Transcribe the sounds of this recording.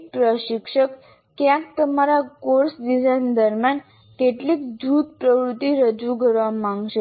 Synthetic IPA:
pɾəɕikʂəkː | jãk̚t̪əmaɾakoɾsd̪isajnd̪əɾmjan | k̪eʈlikd͡ʑuːt̪pɾəʋɾut̪ːiɾəd͡ʑuɡʱəɾʋamãŋɡɕe

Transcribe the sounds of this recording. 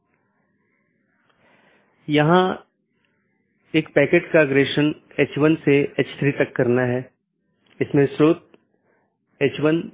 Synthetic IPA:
jɐɦã | eːkpɛːkeːʈkaɐɡɾeːʃən | eːt͡ʃʋənseet͡ʃt̪ʰɾit̪ɐkːɐɾnaɦɛː | ɪsmẽsɾoːt̪̚ | eːt͡ʃʋən

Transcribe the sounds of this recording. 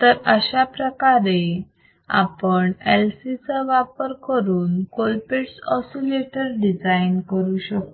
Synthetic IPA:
t̪əɾəɕapɾəkaɾe | a̰pəɳɛlsit͡saʋapəɾkəɾuːnkolpeʈsɔsileʈəɾɖid͡zainkəɾuɕək

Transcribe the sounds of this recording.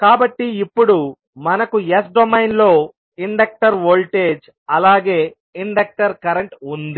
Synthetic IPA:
kaːbɐʈːiːpːuɽu | mɐnɐkuesɖomɐjnlo̞ː | iɳɖɐk̚ʈɐɾʋoːlʈe̞ːd͡ʒ | ɐlaːɡe̞ː | iɳɖɐk̚ʈɐɾkɐɾeɳʈund̪i

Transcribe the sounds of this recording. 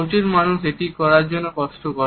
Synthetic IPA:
t͡ʃiɾmanuseʈikɔɾaɾd͡ʒonːokɔsʈokɔ

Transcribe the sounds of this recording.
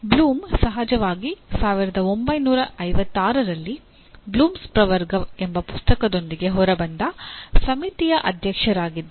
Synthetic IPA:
bluːmsɐɦɐd͡ʒɐʋaːɡisaːʋiɾɐd̪ɐo̞mbɐjnuːɾɐɐjʋɐt̪ːaːɾɐɾɐlːi | bluːmspɾɐʋɐɾɡɐembɐpu̥st̪ɐkɐd̪o̞nd̪iɡe̞ɦɔɾɐbɐnd̪ɐsɐmit̪ijɐʔɐd̪ʱjɐkʂɐɾaːɡid̪ː

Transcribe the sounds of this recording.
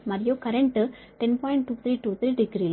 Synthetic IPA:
mɐɾɪjoːkɐɾɛɳʈ | ʈɛnpɔːjɪɳʈ̚ʈuːt̪ʰɾiːʈuːt̪ʰɾiːɖɪɡɾiːl

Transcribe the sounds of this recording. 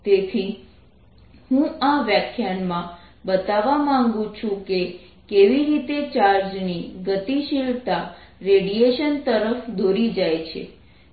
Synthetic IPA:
t̪et̪ʰi | hũaʋjakʰjanmã | bət̪aʋamãŋɡũt͡ʃʰũke | keʋiɾit̪et͡ʃaɾd͡ʒniɡət̪iʃilt̪a | ɾeɽijeʃənt̪əɾəfd̪ʱoɾid͡ʒajt͡ʃʰḛ

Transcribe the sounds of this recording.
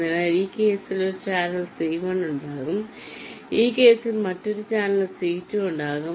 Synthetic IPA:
ɐlaːɾiːke̞ːsiloɾut͡ɕaːnɐlseːmɐɳuɳɖaːɣum | iːke̞ːsilmɐtːoɾut͡ɕaːnɐlɐsiːtːuuɳɖaːɣu

